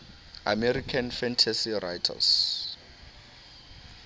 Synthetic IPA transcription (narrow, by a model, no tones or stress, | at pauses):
a̰mɛrikʰanfɛntʰasirajtʰa̰s